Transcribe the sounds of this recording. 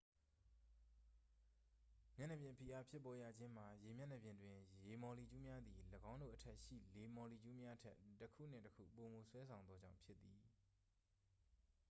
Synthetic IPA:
mjɛ˦˨nɛ˨bjɪ̃˨pʰi˨ʔa˨pʰjɪ˦pːɔ˦ja̰˨d͡ʑɪ̃˦m̥a˨je˨mjɛ˦˨nɛ˨bjɪ̃˨ndwɪ̃˨je˨mɔ˨li˨d͡ʑu˦mja˦d̪ði˨ləɡã˦ʊ̃ndo̰˦˨ʔətʰɛ˦ʔʃḭ˦˨le˨mɔ˨li˨d͡ʑu˦mja˦ʔtʰɛ˦ʔtːəkʰṵ˦˨n̥ɪ̰̃˦˨təkʰṵ˦˨po˨mo˨swɛ˦sʰã˨ʊ̃nd̪ɔ˦d͡ʑã̰˦˨ʊ̃mpʰjɪ˦t̪ːi˨

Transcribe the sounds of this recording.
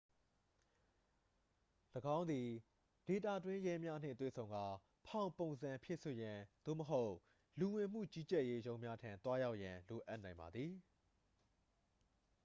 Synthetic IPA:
ləɡã˦ʊ̃nd̪i˨ | de˨t̪ä̰˦˨dwɪ̃˦jɛ˦mja˦n̥ɪ̰̃˦˨t̪wḛ˦˨sʰõ˨ʊ̃ŋɡa˦ | pʰã˨ʊ̃põ˨ʊ̃nzã˨mpʰjɪ˦ʔso˨jã˨d̪̥o̰˦˨məɦo˦ʊʔ | lu˨wɪ̃˨m̥ṵ˦˨t͡ɕi˦t͡ɕɛ˦ʔje˦jõ˦ʊ̃mja˦tʰã˨nt̪wa˦ja˦ʊʔjã˨lo˨ʔa˦ʔnã˨ɪ̃mba̰˨d̪ði˨

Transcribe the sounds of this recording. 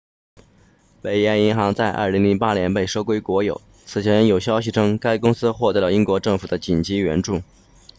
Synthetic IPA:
pe˨˩ɪjɛ˧˥ni˧˥ŋxɑ˧˥ŋt͡sa˥˧ɪʔə̰˥˩li˧˥ŋli˧˥ŋpa˥njɛ˧˥npe˥˩ɪʂo˥ʊkwe˥ɪkwɔ˧˥jo˨˩˦ʊ | t͡sʰɹ̩˨˩t͡ɕʰjɛ˧˥njo˨˩ʊɕjɑ˥ʊɕ̬i˨˩ʈ͡ʂʰɤ˥ŋka˥ɪkʊ˥ŋsɹ̩˥xwɔ˥˩t̪ɤ˧˥lə˧i˥ŋkwɔ˧˥ʈ͡ʂɤ˥˩ŋfu˨˩d̪ə˦t͡ɕi˨˩nt͡ɕi˧˥ɥɛ̰˧˥nʈ͡ʂu˥˩

